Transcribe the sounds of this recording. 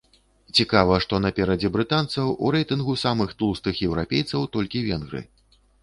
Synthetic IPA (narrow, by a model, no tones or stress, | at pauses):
t͡sʲikavɐʂt̪ɔnɐpʲɛɾɐd͡zʲɛbɾɨt̪ant̪sɐwṵɾɛjt̪ɨnɣusamɨxt̪ulˠst̪ɨxjɛwɾapʲejt̪sɐwt̪ɔlʲkʲivʲɛnɣɾɨ̰